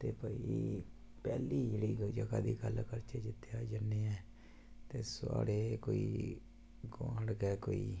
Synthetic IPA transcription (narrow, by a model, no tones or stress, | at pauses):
t̪eːpəi | pɛ̰ːliːd͡ʒeɽiːd͡ʒəɡaːd̪iːɡəlkəɾt͡ʃeːd͡ʒɪt̪ːeaːd͡ʒənːeːɛː | t̪eːsa̰ːɽeːkoːiː | ɡã̰ːɽɡɛːko̰ːḭː